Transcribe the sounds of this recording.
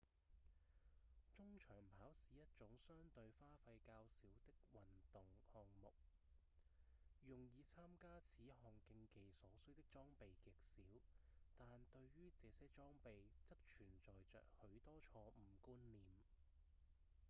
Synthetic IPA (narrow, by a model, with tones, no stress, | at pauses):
t͡sʊ˥ŋt͡ʃʰœː˨˩ŋpʰaː˨˥wsiː˨˥jɐ˥t̚t͡sʊ˨˥ŋsœː˥ŋt̪ɵ˧ɥfaː˥fɐ˧jkaː˧wsiː˨˥wt̪ɪ˥k̚wɐ˨nt̪ʊ˨˩ŋhɔː˨ŋmʊ˨k̚ | jʊ˨ŋjiː˨˧t͡sʰaː˥mkaː˥t͡sʰiː˨˥ɦɔː˨ŋkɪ˧ŋke˨jsɔː˨˥sɵ˥t̪ɪ˥k̚t͡sɔː˥ŋpe˨jkɪ˨k̚siː˨˥wt̪aː˨nt̪ɵ˧ɥɥyː˥t͡sɛː˨˧sɛː˥t͡sɔː˥ŋpe˨jt͡sɐ˥k̚t͡ʃʰyː˨˩nt͡sɔː˨jt͡sœ̰ː˨k̚hɵ˨˧˥ɥt̪ɔː˥t͡ʃʰɔː˧m̩˨˩kuː˥nliː˨m